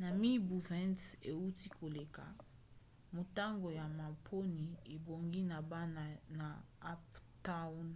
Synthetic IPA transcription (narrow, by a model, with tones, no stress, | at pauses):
na˨mi˦bu˨vɛ̃˦nte˨u˦ti˦kʰo˨le˨ka̰˨ | mo˨ta˦ŋɡo˨ja˨ma˨pʰo˦ni˨e˨bo˨ŋɡi˦na˨ba˦na˨na˨a˦pta˦n